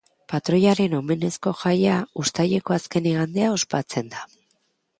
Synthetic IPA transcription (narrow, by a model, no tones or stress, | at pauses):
pat̪ɾo̞jaɾe̞no̞me̞ne̞sko̞ʝajaust̪aʎe̞ko̞aske̞niɣand̪e̞ao̞spat͡se̞nd̪a